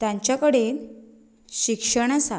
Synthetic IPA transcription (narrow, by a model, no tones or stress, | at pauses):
t̪jãɲt͡ɕjakəɽen | ɕikʂəɳ̃asa̰